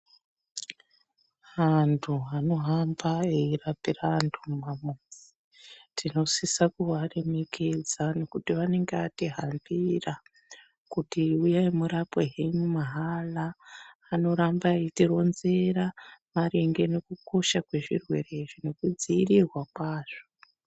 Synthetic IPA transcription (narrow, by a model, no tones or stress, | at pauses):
ɦantʰuano̞ɦambaeirapirantʰumamod͡zi̥ | tʰino̞sisakuʋare̞me̞ked͡zano̞kutiʋane̞ŋɡeʋatiɦambira | kutiujaimuɾapweɦeɲumaɦalaː | no̞ɾambaitiro̞nze̞ɾamaɾeŋɡe̞ne̞kuko̞ʃakwe̞ʐḭrwe̞re̞ʐine̞kud͡ziːrirwak̚waːʐo